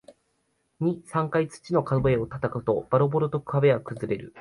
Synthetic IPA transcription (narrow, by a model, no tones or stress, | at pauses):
ɲ̟isãŋkait͡sɨ̥t͡ɕino̞kad̪oe̞o̞t̪at̪akɯ̟t̪o̞b̥aɾo̞bo̞ɾot̪o̞kɯ̥abe̞ɡakɯ̟zɨɾe̞ɾɯ̟